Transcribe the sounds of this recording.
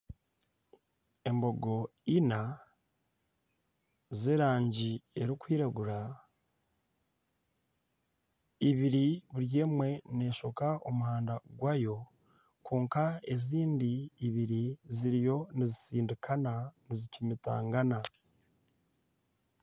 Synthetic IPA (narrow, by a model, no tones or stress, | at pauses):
e̞mbo̞ɡo̞ina | zeːɾaːɲɟie̞ɾikwiːɾaɡuɾa | iβiɾiβuɾje̞ːmwe̞ne̞ːʃo̞kaʔo̞muɦaːndaɡwajo̞ | kuːŋkae̞ziːndiːβiɾiziɾijo̞nizisiːndikʰananizicimita̰ːŋɡana